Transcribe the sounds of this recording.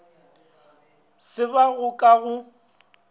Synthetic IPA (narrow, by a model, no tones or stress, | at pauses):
sɪβaɣʊkʼaɣʊ